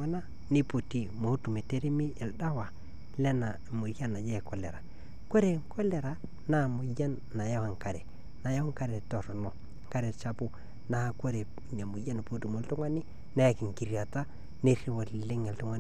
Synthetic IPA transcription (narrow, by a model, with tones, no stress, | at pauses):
a˦na˦ | ni˦pu˨ti˨mo˨˦tu˨me˨te˦ɾe˦mi˦e˨lda˦wa˨ | lɛ˦na˨mu˨ɾja˦na˨d͡ʒe˦˨kɔ˨le˨ɾa̰˨ | ko˦ɾe˨ŋko˦le˨ɾa˨ | na˦˨mu˨ja˦nːa˨ja˦wa˨ŋka˨ɾe˨ | na˨ja˦ŋ˦ka˦ɾe˨to˨ɾno˨ | ŋka˦ɾe˨t͡ʃa˦pu˦ | na˨a˨ko˦ɾe˨ | ne˨mu˨ja˦n˨po˦tu˨mo˨ltu˦ŋwa˦ni˦ | na˦ja˨ki˨ŋ˨ki˨ɾi˨a˨ta˦ | ne˦ri˦wo˨lle˦ŋe˨ltu˦ŋwa˦n˦